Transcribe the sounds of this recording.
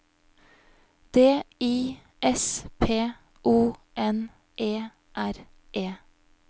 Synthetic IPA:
d̪̥eːiː | ʔɛspʰeː | ʔuːʔɛn | ʔeː | ʔæɾ | ʔeː

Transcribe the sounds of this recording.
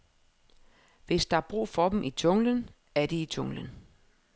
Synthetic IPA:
ʋe̝sd̥ɑ̈ɑb̥ʁṵːfɒ̽d̥em̩ʔit͡ɕʰɔ̽ŋlən | æɐd̥iit͡ɕʰɔ̽ŋlən

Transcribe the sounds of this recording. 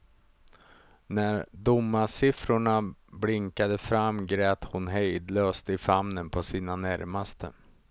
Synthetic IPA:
næɾd̪ʊmːasɪfɾʊɳablɪŋkad̪əfɾamːɡɾɛːt̪hʊnɦɛjd̪løːst̪ɪfamnənpʰɔsiːnanæɾmast̪ʰə̰

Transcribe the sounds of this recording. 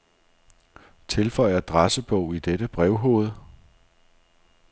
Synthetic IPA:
t͡sʰe̝lfɒ̽ɪ̰ɐd̥ʁasəb̥ɔ̽ʊ̰id̥eɾəb̥ʁɛʊɦo̰ːð̞̩ˠ

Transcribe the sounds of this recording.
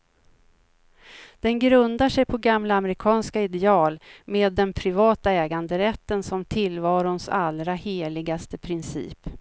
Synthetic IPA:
d̪̥ɛnɡɾɵnd̪aʂɛjpʰɔɡamlaːmɾɪkʰɑːnskaɪd̪ɛɑːlmeːd̪ːɛnpʰɾɪvɑːt̪aɛːɡand̪əɾɛt̪ːənsɔmt̪ʰɪlvɑːɾʊnsalɾaheːlɪɡast̪əpʰɾɪnsḭːp

